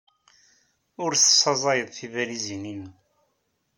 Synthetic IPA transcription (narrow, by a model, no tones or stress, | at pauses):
ʊɾθə̥sˤːɑzˤɑjəðˤθivæɾizininəm